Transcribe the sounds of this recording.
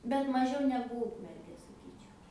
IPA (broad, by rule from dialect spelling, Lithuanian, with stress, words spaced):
bʲɛt mɐˈʒʲɛʊ ˈnʲæːɡʊ ˈuːkmʲɛrʲɡʲeː sɐˈkʲiːt͡ʃʲɛʊ